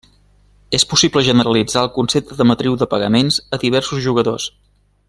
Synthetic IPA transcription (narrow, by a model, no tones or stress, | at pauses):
espusibləʒənəɾəlid͡zaəlˠkunsep̚t̪əðəmət̪ɾiwðəpəɣəmenzəðiβ̞ɛrsuzʒuɣəðos